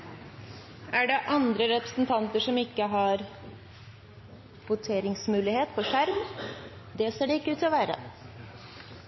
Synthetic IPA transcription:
ʔæɖɛʔɑnd̪ɾəɾɛpɾə̥snt̪ʰɑnt̪əʂɔmɪkːəɦɑɾ | ʋʊt̪ʰeːɾɪŋsmʉːlɪheːt̪fɔʂæɾm | d̪ɛseːɖɛɪkːəʉːt̪ʰɔʋæːɾə̰

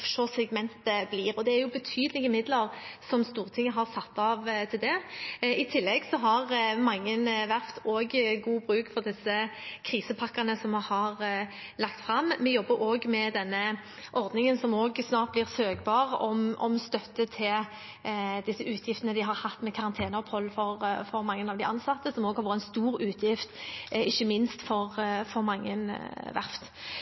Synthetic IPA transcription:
fʂʃɔsɛɡmɛnt̪əbliːʁɔd̪ɛæɾjʊbət̪ʰyːd̪əlɪɡəmɪd̪ləʁsɔmst̪uːʁt̪ʰɪŋːəɦɑʁsɑt̪ːɑːʋt̪ʰɪld̪ɛɪt̪ʰɪlːɛɡsɔɦɑʁmɑŋːənʋæʁt̪oːɡɡuːbʁʉːkfɔʁd̪ɪsəkʰʁiːsəpʰɑkːɑnəsɔmɑhɑʁlɑkt̪fɾɑmːɛjɔbːəɾoːɡmɛd̪ɛnːə | ʔɔʁd̪nɪŋənsɔmoːɡsnɑːʁt̪̚blɪʁsøːɡbɑːʁɔ̰mʔɔ̰mst̪œt̪ːət̪ʰɪl | d̪ɪsːəʉːt̪ʰjɪft̪ənəd̪ɪɦɑʁhɑt̪ːmɛkʰɑʁɑnt̪ʰeːnəɔphɔlːfɔʁfɔɾmɑŋːənɑʋd̪ɪʔɑnsɑt̪ːəsɔmoːɡhɑɾʋɔt̪ːɛnst̪uːʁʉːt̪ʰjɪft̪ɪçːəmɪnst̪fɔʁfɔʁmɑŋːə̰nʋæ̰ʁft̪

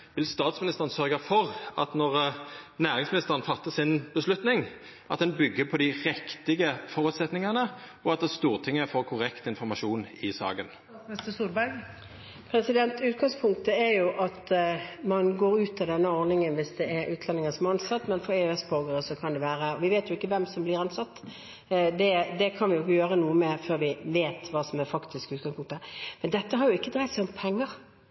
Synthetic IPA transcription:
ʋɪlst̪ɑːt̪smɪnɪst̪əʁənsœʁɡɑfɔʁɑ̰t̪nɔʁnæːʁɪŋsmɪnɪst̪əʁənfɑt̪ːəsɪnbəslʉt̪nɪŋ | ʔɑt̪d̪ɛnbʏɡːəpʰɔd̪ɪʁɛkt̪ɪɡəfɔʁʉt̪sɛt̪nɪŋɑnə | ɔɑt̪̚d̪ɛst̪uːʁt̪ʰɪŋːəəfoːʁkʰʊʁɛkt̪ɪnfɔʁmɑʂuːnɪsɑ̰ːɡən | ɪst̪əsuːɾbæɡ | pʰɾɛsɪd̪ɛnt̪ʉːt̪̚ɡɑŋspʰʊŋk̚t̪əɛɾjʊʔɑt̪mɑnɡoːɾʉːt̪ɑd̪ɛnːəɔɾnɪŋənʋɪsd̪ɛʔɛɾʉːt̪lɑnɪŋəsɔmɛɑnsɑt̪ːmɛnfɔeøɛsboːɡəɾəsɔkʰɑnd̪ɛʋæːʁəɔʋɪʋeːt̪jʊɪkːəʋɛmsɔmblɪɾɑnsɑt̪ː | d̪ɛd̪ɛkʰɑnʋɪjʊɪkːəjøːʁənuːəmeːɾføːʁɾʋɪʋeːt̪ʋɑːsɔmæɾfɑkt̪ʰɪskʉːt̪̚ɡɑŋspʊŋkt̪əmɛnd̪ɛt̪ːəɦɑɾjʊɪkːəd̪ɾæɪt̪sɪɔmpʰɛŋːəʁ

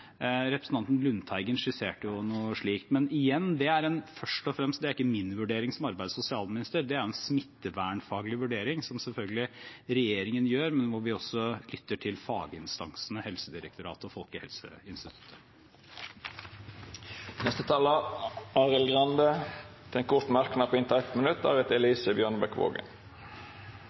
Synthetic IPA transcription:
ɾɛpɾsn̩ɑnt̪nlʉnt̪ʰæɪɡənʂɪseːʈəjʊnuːəʂɭiːkt̪mɛnɪjɛnːd̪ɛæɾɛnfœʂʈɔfɾɛmst̪̚d̪ɛæɾɪkːəmɪnːʋʉɖeːɾɪŋsɔmɑɾbæɪd̪sʊsɪɑːlmɪnɪst̪əɾd̪ɛæɾʊɛnsmɪt̪ːəʋæːɳfɑːɡəlɪʋʉɖeːɾɪŋsɔmsɛlfœlɡəlɪɾɛjeːɾɪŋənjøːɾmɛnʋʊɾʋɪɔsɔlʏt̪ːəʈʰɪlfɑːɡəɪnst̪ɑŋsn̩əhɛlsəd̪ɪɾə̰k̚t̪ʊɾɑ̰ːt̪əɔfɔlkəhɛ̰lsə̰ɪnst̪ɪt̪ʰʉ̥t̪ʰːə | nɛst̪ət̪ʰɑːləɑːʁɪlɡʁɑnd̪ət̪ʰɛnkʰʊɾt̪mæɾknɑpʰɔɪnt̪əɛt̪mənʉt̪ːɑ̰ːʁɛt̪ɛliːsəbjøːɳbɛkʋo̰ːɡə̰n

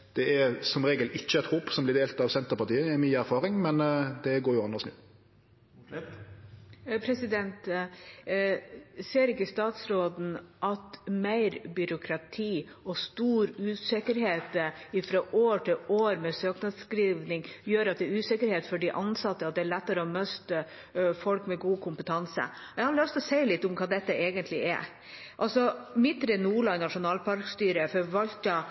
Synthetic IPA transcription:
d̪̥ɛɛɾsɔmɾeːɡəlɪçːəɛt̪hoːpsɔmblɪd̪eːlt̪ɑʋsɛnt̪əɾpɑʁt̪iːəɛmyːæɾfɑːɾɪŋmɛnd̪ɛɡoːɾjʊɑnːəʁsnʉ | pʰɾɛsɪd̪ɛnt̪ | seːɾɪkːəst̪ɑːt̪sɾoːd̪n̩ʔɑt̪mæɪɾbʏɾʊkʰɾɑt̪ʰiːɔst̪uːɾʉːsɪkəɾheːt̪ɪfɾɑːʔoːʈʰɪloːɾmɛsøːknɑskɾiːʋnɪŋjøːɾɑt̪̚d̪ɛʉːsɪkəɾheːt̪fɔɖɪʔɑnsɑt̪ːəɑt̪̚d̪ɛːɭɛt̪ːəɾəɔmœst̪ə | fɔlkmɛɡuːkʰʊmpət̪ʰɑnsə̰ɛɪhɑɔst̪ɔseɪlɪt̪ːʊmkʰɑːd̪ɛt̪ːəeːɡənt̪lɪʔɛ̰ | ʔɑlsɔmɪt̪ːɾɛnuːɭɑnɑʂʊnɑːlpɑɾkst̪yːɾəfɔɾʋɑlt̪ɑ

